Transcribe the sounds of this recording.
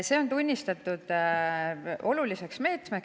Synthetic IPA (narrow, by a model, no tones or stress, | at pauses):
se̞ːo̞nt̪unʲːist̪ɑt̪ːˑud̪̥ | ʔo̞lulise̞ksme̞ːt̪mek